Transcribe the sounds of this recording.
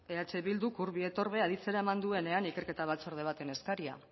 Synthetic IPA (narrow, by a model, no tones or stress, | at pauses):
e̞at͡ʃeβild̪ukuɾβie̞t̪o̞ɾβe̞aðit͡se̞ɾae̞mand̪ue̞ne̞anike̞ɾke̞t̪aβ̞at͡so̞ɾð̞e̞β̞at̪e̞ne̞skaɾia̰